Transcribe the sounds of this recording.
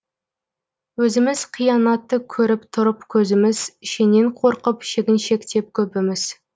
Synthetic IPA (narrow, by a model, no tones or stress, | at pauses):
wɵzɪmɪz̥qʰijɑnɑt̪ːəkʲʰɵɾɪpt̪ʰʊɾəpkʲʰɵzɪmɪzʃeneɴqʰo̞ɾqəpʃe̞ɡʲɪnʃe̞kt̪ʰe̞p̚kʲʰɵpɪmɪz̥